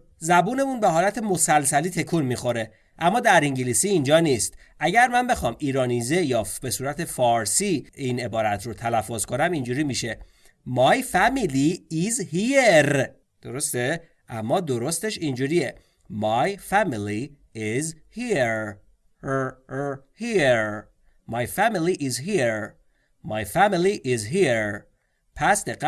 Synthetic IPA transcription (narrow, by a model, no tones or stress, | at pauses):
zæbuːne̞munbeɦɒːlæt̪ʰe̞mo̞sælsæliːt̪ʰe̞kʰunmixo̞ɾe̞ | ʔæmːɒːd̪æɾiŋɟilisiːnd͡ʒɒːnist̪ | ʔæɟæɾmænbe̞xɒːmʔiːɾɒːnize̞jɒːbe̞suːɾæt̪ʰe̞fɒːɾsiine̞bɒːɾæt̪ʰɾot̪ʰælæfːozkʰo̞næmind͡ʒuːɾiːmiʃe̞ | mɒjfæmiliizhieɾ | d̪̥o̞ɾo̞st̪e | ʔæmːɒːd̪oɾo̞st̪e̞ʃind͡ʒuːɾie | mɑjfæmiliː | zhiɾ | hiɾ | mɑjfæmiliʔizɦiɾ | mɑjfæmiliʔizɦiɾ | pʰæsd̪eɣ